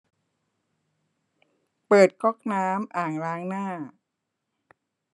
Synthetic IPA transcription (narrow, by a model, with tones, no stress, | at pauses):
pɤː˨˩t̪̚kʰɔ˥˩k̚naː˦˥mʔaː˨˩ŋɾaː˦˥ŋnaː˥˩